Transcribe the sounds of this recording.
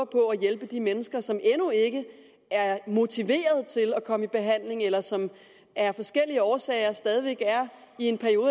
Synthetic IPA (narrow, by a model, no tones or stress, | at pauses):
ɐpʰɒ̽æjelb̥əd̥imenəsɡ̥ɐsɒ̽menue̝ɡ̥ə | æɐmo̝t͡sʰiʋe̝̰ːɐð̞ˠt͡sʰe̝lɒkʰɒ̽məib̥e̝ɦæn̰le̝ŋelɐsɒ̽m | æɐfɒ̽sɡ̥el̰iəɒːsɛ̰ɪɐsd̥ɛːð̞ˠiʋeɡ̥æɐ | ie̝npʰæɐio̝ːðˠ